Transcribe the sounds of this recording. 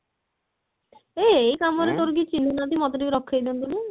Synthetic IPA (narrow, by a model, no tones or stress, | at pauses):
eejkamɔɾet̪oɾɡit͡ʃind̪unat̪imɔt̪ɔdiɾɔkʰːajd̪ond̪ulu